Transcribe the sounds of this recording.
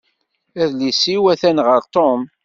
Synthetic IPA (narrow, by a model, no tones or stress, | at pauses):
æðlisiwæθænʁəɾt̪om